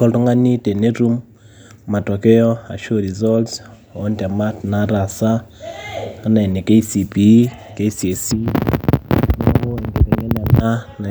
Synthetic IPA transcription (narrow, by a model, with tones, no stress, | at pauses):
kɔ˨ltɔ˦ŋa˦ni˦te˨ne˦ɾu˦mː | a˨tɔ˨kɛ˦ɔ˦a̰˨ʃo˦ɾi˨zɔ˦ls | ɔ˦nta˨ma˦tnaɾa˨sa˦ | a˦na˨ɛ˨ne˨ke˦i˦si˨pi˨ke˦sie˨si˦ | n˦a˦o˦ɛ˨ŋɡe˨kɛ˨ŋɛ˦na˨na˦na˨